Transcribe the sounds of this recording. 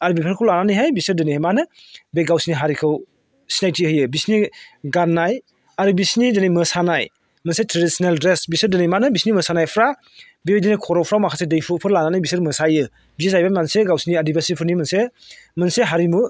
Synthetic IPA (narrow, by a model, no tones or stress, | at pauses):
aɾbipʰaɾkʰɯwlananɯjɦajbisɯɾdɯneemanɯ | beɡawsiniɦaɾikʰɯw | sinajtʰihɯjɯbisniɡanːaj | aɾubisnidenejmɯsanaj | mɯnsetʰɾedisnaldɾesbisɯdɯnejmanɯbisnimɯsanajpʰɾa | bejdenejkʰɔɾɔwpʰɾawmakʰasedɯjpʰɯpʰɯɾlananajbisɯɾmɯsajɯ | bizeszajbajmanseɡawsiniadibasipʰɯɾnimɯnsemɯnseɦaɾimu